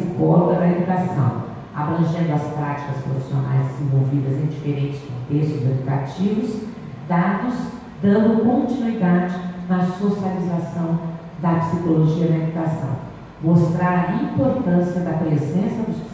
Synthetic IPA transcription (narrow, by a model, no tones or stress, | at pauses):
ikɔloɡɐd̪ɐed̪ukasɐ̰̃w̃ | a̰bɾɐ̃ʒẽnd̪ʊɐspɾat͡ʃi̥kɐspɾofi̥sio̰na̰jzdd͡ʒ̪ɪzẽvowvid̪ɐzẽj̃d͡ʒifeɾẽnt͡ʃɪ̥skõnt̪est̪ʊzed̪ukat͡ʃivʊs | d̪ad̪ʊz | d̪ɐ̃nd̪ʊkõnt͡ʃinuid̪ad͡ʒɪnɐsosializasɐ̃w̃ | d̪ɐpi̥sikoloʒiɐd̪ɐed̪ukasɐ̰̃w̃ | most̪ɾaɾɐĩpoɾt̪ɐ̃sijɐd̪ɐpɾezẽsɐd̪ʊs